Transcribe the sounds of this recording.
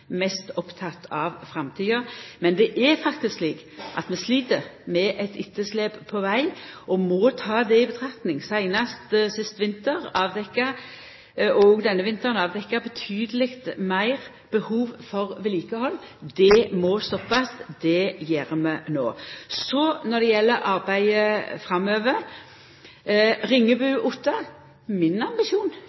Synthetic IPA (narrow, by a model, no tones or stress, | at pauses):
mɛst̪ɔpt̪ʰɑt̪ːɑʋfʁɑmt̪ʰiːɑmɛnd̪ɛʔɛfɑkt̪ɪskliːk | ʔɑ̰t̪mɛsliːt̪əʁmɛʔɛt̪ʰɪt̪ʰːəsleːbpʰɔʋæɪɔmɔt̪ʰɑːd̪ɛɪbət̪ʰʁɑkt̪nɪŋsæɪnɑst̪sɪst̪ʋɪnt̪əʁɑːʋd̪ɛkːɑ | ɔɡd̪ɛnːəʋɪnt̪əʁnɑːʋd̪ɛkːɑbət̪ʰyːd̪əlɪkt̪mæɪʁ | b̥əhuːʋfɔʁʋɪliːkəhɔlːd̪ɛmɔst̪ɔpːɑsd̪̥ɛjeːʁmɛno̰ːsɔnɔd̪ɛjɛlːəʔɑʁbæɪəfɾɑmøːʋəɾ | ʁɪŋːəbʉːʔʊt̪ːɑ | mɪnɑmbɪʃuːn